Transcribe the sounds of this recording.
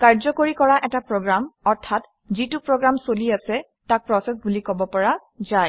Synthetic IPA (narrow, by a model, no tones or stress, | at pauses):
kaɹzɔkoɹikɔɹaʔɛtapɹɔɡɹamɔɹtʰat | zitupɹɔɡɹamsoliasɛ | tak̚pɹɔsɛs̬bulikɔbɔpɔɹa | zaj